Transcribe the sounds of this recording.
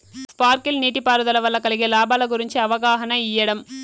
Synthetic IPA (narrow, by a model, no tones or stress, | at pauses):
spaːɾkilniːʈipaːɾuðɐlɐʋɐlːɐkɐɭiɡelaːbaːlɐɡuɾiɲt͡ʃɯɐʋɐɡaːɦɐnɐɪjːɐɽɐm